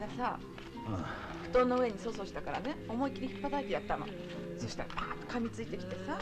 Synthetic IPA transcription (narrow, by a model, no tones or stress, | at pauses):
d̪asa | ɸɯ̟̥t̪o̞ːnːo̞ɯ̟e̞ɲ̟iso̞ːso̞ːɕi̥t̪akaɾa̰ne̞o̞mo̞ikʲiɾʲiçi̥pːat̪ait̪e̞jat̪ːamã̰ | so̞ɕi̥t̪a̰aaːt̪ːo̥kamʲit͡sɨit̪e̞kʲi̥t̪e̞sa